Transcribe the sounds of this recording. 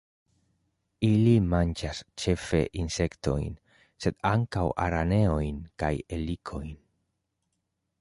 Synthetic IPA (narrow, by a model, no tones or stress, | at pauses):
ilimand͡ʒast͡ʃe̞fe̞̰ʔinse̞kto̞̰jn | se̞d̪aŋkawʔa̰ɾane̞o̞jnkaje̞likʰo̞jn